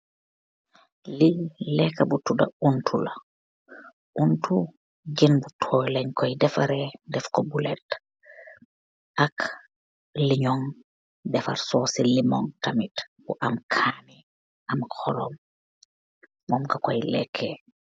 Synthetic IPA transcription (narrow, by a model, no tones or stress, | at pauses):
lilɛkːɐbutudɐ̰untʰulɐ | ʔuntu | ɟinbutʰɔːjlɛɲkojdɛfɐɾɛdɛfkobulɛt | ʔak | liɲɔŋ | dɛfa̰ɾsɔːsilimɔŋtamitbuʔɐmkʰaːni | ɐmxɔlɔm | mɔmkɐkojlɛ̰kʰːe